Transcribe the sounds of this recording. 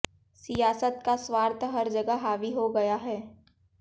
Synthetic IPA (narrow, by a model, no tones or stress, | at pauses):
sijaːsət̪̚kaswaːɾt̪ʰɦɐɾd͡ʒɐɡəɦaːʋiɦoɡɐjaɦɛː